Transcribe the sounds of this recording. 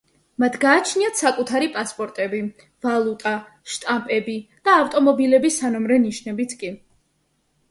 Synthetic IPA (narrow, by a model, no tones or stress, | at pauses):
mat̪ʰɡaːt͡ʃʰniat̪ʰsakʼut̪ʰaɾipʼaspʼɔɾt̪ʼɛbi | valˠut̪ʼa | ʃt̪ʼampʼɛbid̪̥aːft̪ʼɔmɔbilɛbisanɔmɾɛniʃnɛbit̪ʰkʼi